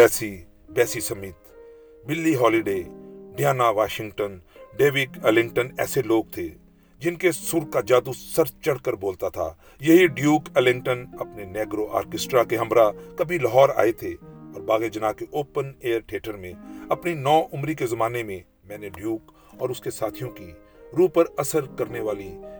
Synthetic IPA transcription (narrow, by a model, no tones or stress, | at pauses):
pɛːsi | pɛːsisɐmiːt̪ | bɪlːiɦɔːliɖeːɖjaːnaʋaːʃɪ̃ŋɡʈənɖeːʋɪkɛlɪ̃ŋɡʈənɛ̰ːseloːɡ̚t̪ʰe | d͡ʒɪnkesʊɾkad͡ʒaːd̪usɐɾt͡ʃɐɽkəɾboːlt̪at̪ʰa̰ː | jɐɦiɖjuːkɛlɪ̃ŋɡʈənɐpneneːɡɾoʔa̰ːɾkɪsʈɾakeɦɐ̃mɾakɐbʱilɐɦɔːɾa̰ːet̪ʰeɔːɾbaːɣed͡ʒɐnaːkeʔoːpəneːəɾʈʰeːʈəɾmẽɐpninɔːʔʊmɾikezɐmaːnemẽ | mɛ̃ːneɖjuːk | ɔːɾʊskesaːt̪ʰijõki | ɾuːpəɾɐsəɾkɐɾneʋaːli